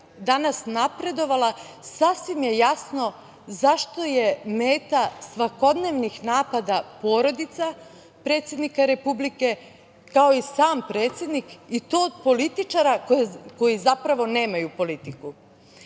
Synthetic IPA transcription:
d̪anasnapɾe̞d̪o̞ʋala | sasʋimje̞jasno̞ | zaʃt̪o̞je̞me̞ːt̪asʋako̞d̪neʋnixnaːpad̪apo̞ɾo̞d̪it̪sa | pɾe̞t̪sje̞d̪nikaɾe̞publike | kao̞isaːmpɾe̞ːt̪sʲje̞d̪nikit̪o̞ːd̪po̞lit̪it͡ʃaɾakoko̞jizapɾaʋo̞ne̞ːmajupo̞lit̪iku

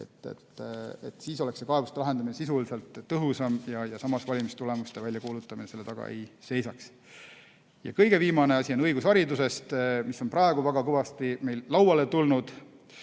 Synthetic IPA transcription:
e̞̰t̪ːˑḛt̪ːˑet̪ːˑsiːso̞le̞kse̞kɑevust̪elɑɦe̞nd̪ɑminesisulise̞lt̪ːɤɦusɑmjɑjɑsɑmɑsvɑlʲimist̪ule̞must̪e̞vælʲjɑkuːlut̪ːˑɑminese̞lːeɑɡ̥ɑ̰ʔḛjse̞jsɑks | jɑ̰kɤjɡe̞viːmɑne̞ɑsʲionɤjɡusɑɾid̪use̞st̪misːo̞nprɑe̞ɡ̥uvæɡ̥ɑkɤvɑst̪ime̞jlːɑwwɑle̞t̪ulnud̪̥

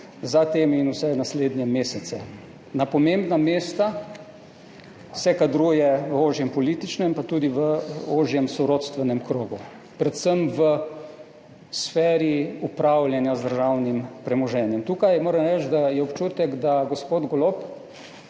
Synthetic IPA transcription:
zat̪eːmiːnusɛnasleːd̪njɛmeːsɛt̪sɛ | napɔmembnameːst̪a | sɛkad̪ɾuːjɛʋoːʒjɛmpɔlit̪it͡ʃnɛmpat̪uːd̪iʋəoːʒjɛmsɔɾot̪st̪ʋɛnɛmkɾoːɡu | pɾɛt̪səmʋə | sfɛːɾiupɾawljɛnjazd̪əɾʒawnimpɾɛmɔʒɛːnjɛmt̪uːkajmoːɾəmɾɛt͡ʃt̪d̪ajɛɔpt͡ʃuːt̪ɛkd̪aɡospoːd̪ɡɔlop

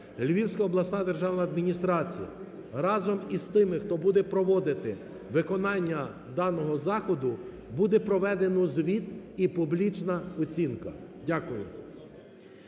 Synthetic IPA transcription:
lʲʋʲiwsʲkɐɔblˠɐsnɑd̪erʒɑwnɐɐd̪mʲinʲist̪ɾɑt͡sʲḭjɐ̰ | ɾɑzɔmist̪ɪmɪxt̪ɔbud̪ɛpɾɔʋɔd̪ɪt̪ɪ | ʋɪkɔnɑnʲːɐ | d̪ɑnɔɦɔzɑxɔd̪ʊ | bud̪ɛpɾɔʋɛd̪enɔzʋʲit̪ipublʲit͡ʃnɐɔt͡sʲinkɐdʲakʊjʊ̰

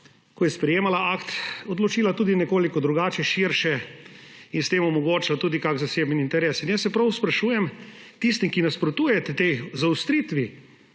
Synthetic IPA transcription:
kɔjɛspɾɛjeːmalaakt̪ɔd̪lɔt͡ʃiːlat̪uːd̪inɛkoːlikɔd̪ɾuɡaːt͡ʃɛʃiɾʃɛ | inst̪eːmɔmɔɡoːt͡ʃlat̪uːd̪ikakzaseːbniint̪ɛɾeːsinjɛsːɛpɾɐwspɾaʃuːjɛmt̪ist̪imkinaspɾot̪uːjɛt̪ɛt̪ejzawst̪ɾiːt̪ʋi

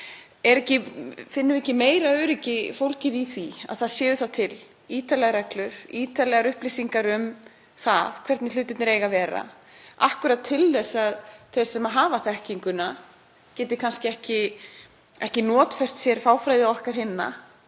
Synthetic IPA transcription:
ɛɾɛhcɪfɪnːʏɾɛhcɪmeːjɾaœɥɾɪcɪfowlcɪðiθvia̰ðθaðsjɛːvʏθawt̪ʰɪl | iːt̪alɛɣaɾɛklʏviːt̪alɛːɣaɾʏhplisiŋkaɾʏm | θa̰ðkʰvɛɾt̪nɪlʏːt̪ɪt̪nɪɾeːjɣavɛːɾa̰ | a̰hkʏɾat̪ʰːɪlθɛsːaðθejɾ̥sɛmaɦaːvaθɛhciŋkʏna | cɛːt̪ɪ̥kʰanscɪɛhcɪ | ɛhcɪnɔːt̪fɛr̥t̪sjɛɾfaːwfɾajðɪɔhkaɾ̥ɦɪnːa̰

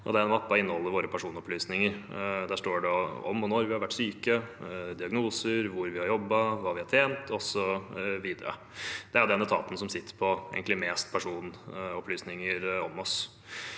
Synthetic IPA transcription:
ʔɔ̰d̪ɛæɾɛnʋɑpːɑɪnːəhɔlːəɾʋoːɾəpʰæʂuːnɔpʰlyːsnɪŋəɾd̪æʂʈoːɖɛɔ̰mːɔnɔɾʋɪhɑɾʋæʈːsyːkəd̪ɪɑɡnuːsəɾʋʊɾʋɪhɑɾjɔbːɑʋɑːʋɪhɑʈʰeːnt̪ʰɔsɔʋiːd̪əɾə̰ | d̪̥ɛæʊd̪ɛnːət̪ʰɑ̰ːt̪ən̩sɔmsɪt̪ːə̥ɾpʰɔḛɡənlɪmeːst̪̚pʰæʂuːnɔpʰlyːsnɪŋəɾɔmɔs

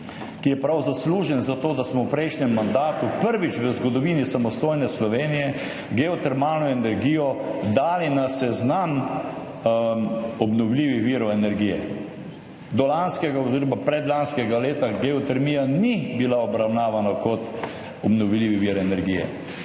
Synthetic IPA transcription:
kijɛpɾawzasluːʒɛnzat̪oːd̪asmɔwpɾɛjʃnɛmːand̪aːt̪upəɾʋit͡ʃʋəzɡɔd̪ɔʋinisamɔst̪oːjnɛslɔʋeːnijɛ | ɡɛɔt̪ɛɾmaːlnɔɛnɛɾɡiːjɔd̪aːlinasɛznam | ɔbnɔwliːʋixʋiːɾɔɛnɛɾɡiːjɛ̰ | d̪ɔlanskɛɡaoziːɾɔmapɾɛd̪lanskɛɡaleːt̪aɡɛɔt̪ɛɾmiːjanibilaɔbɾawnaːʋanakɔt̪ | ɔbnɔʋliːʋiʋiːɾɛnɛɾɡiːjɛ̰

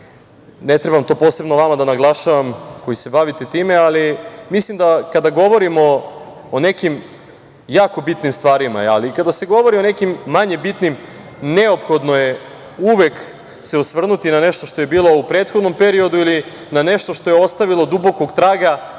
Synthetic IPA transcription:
net̪ɾe̞bamt̪o̞po̞ːse̞bnoʋamad̪anaɡlˠaʃaʋamko̞jise̞baʋit̪et̪iːmealimislimd̪akad̪aɡo̞ʋo̞ɾimo̞ː | ne̞kim | jaːko̞bit̪nimst̪ʋaːɾima̰a̰likad̪ase̞ɡo̞ʋo̞ɾio̞ne̞kimːaɲe̞bit̪nim | ne̞o̞pxo̞d̪noje | uʋek | seusʋr̩nut̪inaneʃt̪o̞ʃt̪ojebiːlˠo̞upɾet̪xo̞d̪no̞mpe̞ɾio̞d̪uili | naneʃt̪oʃt̪o̞jeo̞st̪aʋilˠo̞d̪ubo̞koɡt̪ɾaːɡa

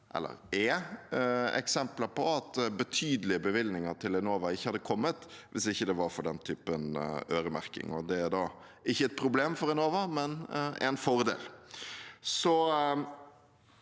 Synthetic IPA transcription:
ʔɛ̰lːə̰ɾɛ | ɛ̰ksɛmpləɾpɔɑt̪bət̪ʰyːd̪əlɪəbəʋɪlnɪŋəɾt̪ʰɪlɛnoːʋɑɪçːəhɑd̪ːəkʰɔmːət̪ʋʔɪsɪçːəd̪ɛʋɑɾfɔɖɛnt̪ʰyːpənøːɾəmæ̰ɾkɪ̰ŋɔd̪ɛæɾd̪ɑː | ɪçːəɛt̪̚pʰɾʊbleːmfɔɾɛnoːʋɑmɛnɛ̰nfɔɾd̪ḛːl | sɔ

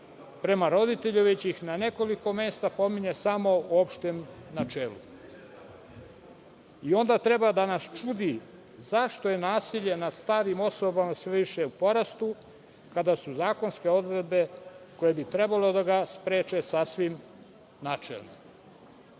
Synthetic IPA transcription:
pɾe̞maɾo̞d̪it̪e̞ʎuʋet͡ɕiixnane̞ko̞liko̞me̞ːst̪apo̞miɲe̞samo̞uopʃt̪emnat͡ʃelṵ | io̞nd̪at̪ɾe̞bad̪anast͡ʃuːd̪i | zaʃt̪o̞je̞naːsiʎe̞nad̪st̪aːɾimo̞so̞bamasʋeʋiʃeupo̞ɾast̪u | kad̪asuzaːko̞nske̞o̞d̪ɾe̞d̪̚be̞ko̞jebit̪ɾe̞balo̞d̪aɡaspɾeːt͡ʃe̞sasʋim | naːt͡ʃḛlni

